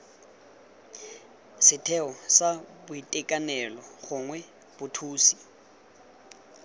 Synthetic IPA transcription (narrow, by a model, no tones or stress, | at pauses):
sɪtʰɛɔsabʊitʼɛkʼanɛlɔɣʊŋwɛ | b̥ʊtʰuːsi